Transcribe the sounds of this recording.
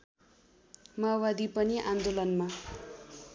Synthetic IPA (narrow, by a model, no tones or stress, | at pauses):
mʌawad̪ipʌniʔand̪olʌnma